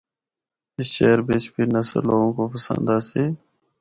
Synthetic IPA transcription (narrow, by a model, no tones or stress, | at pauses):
ɪsʃeːɾbeːt͡ʃpʰiɾnɐsə̰loːɡõːkopəsə̰̃nd̪aːseː